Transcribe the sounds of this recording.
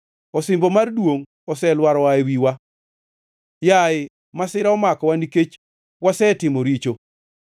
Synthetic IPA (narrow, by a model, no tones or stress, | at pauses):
ɔsɪmbomardwoŋ | ɔsɛlwaɾɔwaewiwa | jaɪ | masɪɾaɔmakɔwaniket͡ʃ | wasɛtɪmoɾit͡ʃo